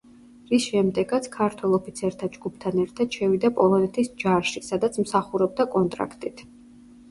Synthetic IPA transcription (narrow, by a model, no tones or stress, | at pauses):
ɾisʃɛmd̪ɛɡat̪sʰkʰaɾt̪ʰwɛlˠɔpʰit̪sʰɛɾt̪ʰad͡ʒɡupʰt̪ʰanɛɾt̪ʰad̪̥ʃɛvid̪apʼɔlˠɔnɛt̪ʰisd͡ʒaɾʃisad̪at̪sʰmsaχuɾɔb̚d̪akʼɔnt̪ʼɾa̰kʰt̪ʼit̪ʰ